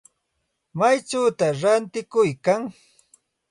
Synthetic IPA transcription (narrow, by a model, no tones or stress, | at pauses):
majt͡ʃawt̪aɾant̪ɪkʊjkaŋ